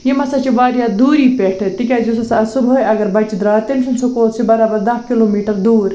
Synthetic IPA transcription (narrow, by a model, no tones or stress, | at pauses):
jimɐsɐt͡ʃiʋaːɾjaːd̪uːɾiːpeʈʰɐt̪ikʲaːd͡ʒusɐsɐɐsubɦoːjɐɡɐɾbɐt͡ʃid̪ɾaːt̪emt͡ʃʰunsokoːt̪sibɐɾaːbɐɾd̪ɐɦkiloːmiːʈɐɾd̪uːɾ